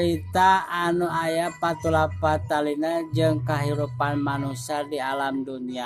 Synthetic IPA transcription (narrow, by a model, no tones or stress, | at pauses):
ɾit̪aːnuajapat̪ulapat̪alinad͡ʒɨŋkaɦiɾupanmanusadialamdunia